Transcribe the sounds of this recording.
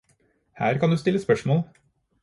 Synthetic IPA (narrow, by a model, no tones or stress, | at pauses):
hæːɾkʰɑnd̪ʉːst̪ɪlːəspœʂmoːl